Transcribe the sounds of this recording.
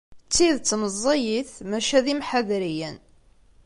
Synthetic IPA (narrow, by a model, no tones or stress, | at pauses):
t͡sːiðt͡sːməzˤːɑjiθmæʃæðimħaðɾijən